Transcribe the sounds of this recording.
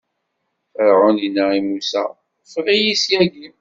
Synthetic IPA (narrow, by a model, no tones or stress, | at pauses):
əɾʁʊninːaimusæ̰ | fʁijisjæɡim